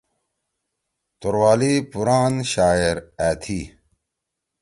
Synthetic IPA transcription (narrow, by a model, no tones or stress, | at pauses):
t̪oɾwaːlipuɾaːnɕaːeɾæːt̪ʰi